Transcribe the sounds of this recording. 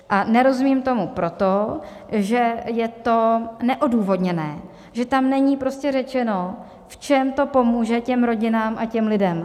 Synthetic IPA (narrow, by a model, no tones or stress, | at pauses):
ʔanɛɾo̞zumiːmt̪o̞mupɾo̞t̪o | ʒɛjɛt̪o̞nɛʔoduːvo̞dɲɛnɛː | ʒɛt̪amnɛɲiːpɾo̞scɛrɛt͡ʃɛno̞ | ft͡ʃɛmt̪o̞po̞muːʒɛcɛmɾo̞ɟɪnaːmʔacɛmlɪdɛm